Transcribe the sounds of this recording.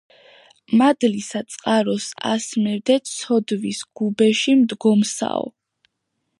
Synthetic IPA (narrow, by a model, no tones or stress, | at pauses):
mad̪lisat̪sʼqʼaɾɔsa̰smɛɾd̪ɛt̪sʰɔd̪visɡ̥ubɛʃimd̪ɡɔmsa̰ɔ̰